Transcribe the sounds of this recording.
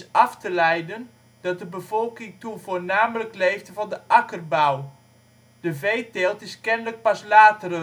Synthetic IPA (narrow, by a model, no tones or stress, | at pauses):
ɑftəlɛjdən | d̥ɑt̚dəbəv̥ɔlˠkɪŋtuvoːɹnaːmələklejftəvɑndəʔakərbaw | d̥əvejtelˠtɪskɛnlək̚pɑslaːtərə